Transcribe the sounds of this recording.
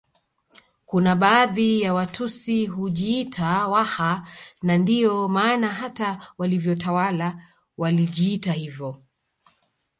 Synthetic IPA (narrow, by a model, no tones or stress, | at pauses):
kunaɓaːðijawatʰusiɦuʄiːtʰawahanandijɔmaːnaɦatawalivjɔtawala | waliʄiːtahivjɔ